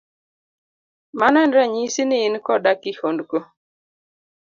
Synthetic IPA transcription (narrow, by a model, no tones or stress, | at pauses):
manandɾaɲisinɪːnkɔdakɪhondko